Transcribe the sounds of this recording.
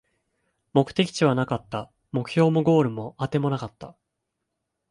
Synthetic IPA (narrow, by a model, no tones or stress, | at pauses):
mo̞kɯ̟̥t̪e̞kʲi̥t͡ɕiβ̞anakat̪ːa | mo̞kɯ̟̥ço̞ːmoɡo̞ːɾɯ̟mo̞at̪e̞mo̞nakat̪ːa